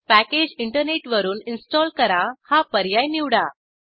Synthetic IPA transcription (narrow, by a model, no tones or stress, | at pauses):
pæked͡ʑiɳʈəɾneʈʋəɾuːninsʈɔlkəɾahapəɾjajniwɽa